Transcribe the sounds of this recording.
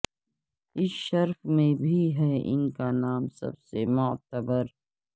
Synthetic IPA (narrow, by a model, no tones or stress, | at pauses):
ɪsʃɐɾfmẽbʱiɦɛʔɪ̰nkanaːmsɐ̰bsemɔːt̪əbəɾ